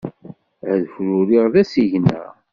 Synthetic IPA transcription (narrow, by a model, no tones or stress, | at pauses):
ʕðəfɾuɾiʁðæsiʝnæ̰ʁ